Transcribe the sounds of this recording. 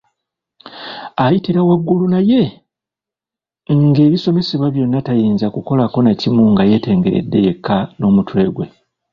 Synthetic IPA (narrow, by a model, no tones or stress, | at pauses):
ajitiɾawaɡːulunaje̞ | ŋɡe̞ːβiso̞me̞seβwaβjo̞nːatajiːnzakuko̞lako̞nacimuŋɡaje̞ːte̞ːŋɡe̞ɾḛdːe̞je̞kʰːano̞ːmutwe̞ːɡwe